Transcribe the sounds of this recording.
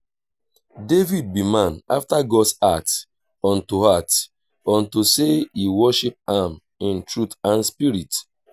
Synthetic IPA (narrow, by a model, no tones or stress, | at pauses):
devid̚bimãna̰ftaɡɔdsat | ɔ̃ntuhat | ɔ̃ntuseiwɔʃip̚ãm | ĩntɹutãnspiɹit